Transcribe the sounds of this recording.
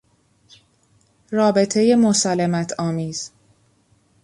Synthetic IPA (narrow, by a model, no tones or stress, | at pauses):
rɒːbe̞t̪ʰe̞je̞mosælːemæt̪ʰɒːmiːz̥